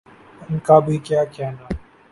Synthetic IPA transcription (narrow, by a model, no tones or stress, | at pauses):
ɪnkaːbʱiːkjaːkɪjaːnaː